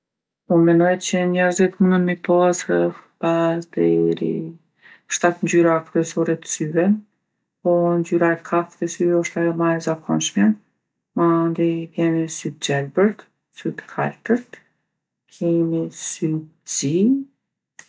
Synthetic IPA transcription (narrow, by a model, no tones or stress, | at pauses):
umɛnɔjt̪t͡ɕəɲɛɾzit̪munənmipasɾəfpasd̪ɛɾḭ | ʃt̪at̪ɲd͡ʑyɾakɾuɛsɔɾɛt̪syvɛn | pɔnd͡ʑyɾaɛt̪kʰaft̪ɛsyvɛɔʃt̪ajɔmaɛzakʰɔnʃmɛ | mand̪ikɛmisyt̪̚d͡ʑɛlbəɾt̪ | syt̪kʰalt̪əɾt̪ | kʰɛmisy | d͡zi